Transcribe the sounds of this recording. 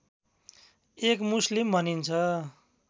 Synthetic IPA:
ekmuslimbʱʌnint͡sʰʌ

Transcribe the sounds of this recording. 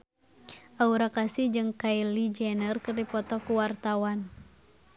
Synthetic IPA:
ʔauɾakasihd͡ʒɨŋkailid͡ʒɛnərkɨrdipɔt̪ɔkuwart̪awan

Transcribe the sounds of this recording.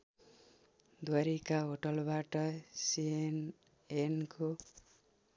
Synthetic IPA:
d̪waɾikaɦoʈʌlbaʈʌsien | enko

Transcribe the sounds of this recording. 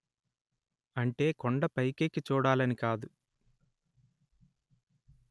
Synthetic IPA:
ɐɳʈe̞ːkoɳɖɐpɐjkeːkit͡ʃuːɽaːlɐnikaːd̪u

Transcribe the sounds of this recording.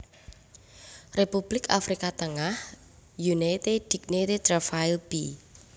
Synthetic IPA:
repub̥lɪkafɾikat̪əŋah | junat̪ed̪̥i̤k̚net̪et̪rafailb̥i

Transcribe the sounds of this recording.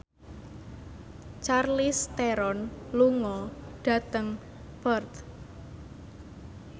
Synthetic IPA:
t͡ʃarlist̪ɛɾɔnluŋɔɖ̥a̤t̪əŋ | b̥ərt̪

